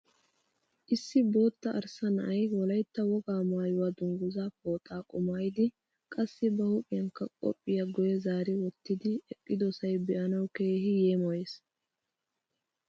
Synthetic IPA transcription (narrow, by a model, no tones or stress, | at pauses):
ʔɪsːɪbo̞ːt̪ːɐʔɐɾsɐnɐʔɐjwɔlɐjt̪ːɐwɔɡaːmaːjʊwad̪ʊŋɡʊzaːpo̞ːt̪ʼːaːkʼʊmaːjd̪ɪ | kʼɐsːɪbɐhʊkʼɪjɐŋkːɐkʼɔ̰pʼːɪjɐɡɔjɛzaːɾɪwɔt̪ːɪd̪ɪɛkʼːɪd̪ɔsɐjbɛʔɐnɐwke̞ːhɪjeːmɔjeːs